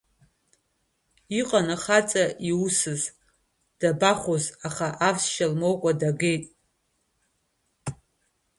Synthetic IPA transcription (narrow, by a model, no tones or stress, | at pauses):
iqʼanaχat͡sʼaʔiusɨz | d̥abaχozaχaʔavsʃalmo̞wkʷʼadaɡejtʼ